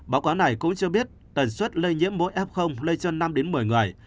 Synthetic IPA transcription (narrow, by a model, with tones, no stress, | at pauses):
ɓaː˨˦wkaː˨˦wna˨˩jkʊ̰˧˥ŋ͡mt͡ɕɨ˧əɓi˦˥ət̚ | t̪ə˨˩nswə˦˥t̚lə˧jɲḭ˧˥əmːo̰˧˥jʔɛ˦˥p̚xə˧wŋ͡mlə˧jt͡ɕə˧nːa˧mɗe˨˦nmɨ˨˩əjŋɨ˨˩əj